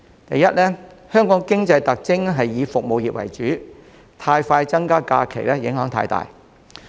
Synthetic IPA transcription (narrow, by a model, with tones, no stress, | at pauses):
t̪ɐ˨jɐ˦˥t̚lɛː˥hœː˥ŋkɔː˨˥ŋkɪ˥ŋt͡sɐ˧jt̪ɐ˨k̚t͡sɪ˥ŋɦɐ˨jːiː˨˧fʊ˨k̚mo˨˧wjiː˨˩p̚wɐ̰˨˩jt͡ʃyː˨˥ | t̪ʰaː˧jfaː˧jt͡sɐ˥ŋkaː˥kaː˧kʰe˨˩jlɛː˥jɪ˨˥ŋɦœː˨˥ŋt̪ʰa̰ː˧jt̪a̰ː˨j